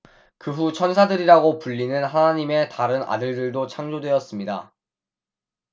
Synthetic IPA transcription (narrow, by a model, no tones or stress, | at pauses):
kɯɸut͡ɕʰʌnsʰadɯɾiɾaɡopuʎːinɯnɦanaɲime̞taɾɯna̰dɯɭdɯɭdot͡ɕʰaŋd͡ʑodwe̞ʌs͈ɯmɲida̰